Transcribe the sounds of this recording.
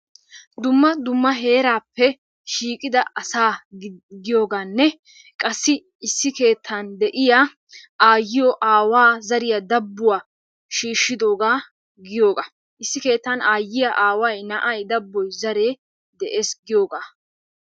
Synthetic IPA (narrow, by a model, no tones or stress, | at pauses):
d̪ʊmːɐd̪ʊmːɐɦe̞ːɾaːpːɛ | ʃiːkʼɪd̪ɐɐsaːɡɪjo̞ːɡaːnːɛ | kʼɐsːɪ | ɪsːɪke̞ːt̪ʰːɐnd̪ɛʔɪja | ʔaːjːɪjɔʔaːwaːzɐɾɪjɐd̪ɐbːʊwaː | ʃiːʃːɪd̪o̞ːɡaː | ɡɪjo̞ːɡa | ʔɪsːɪke̞ːt̪ːɐnaːjːɪjɐʔaːwɐjnɐʔɐjd̪ɐbːɔjzɐɾe̞ː | d̪ɛʔe̞ːsɡɪjo̞ːɡaː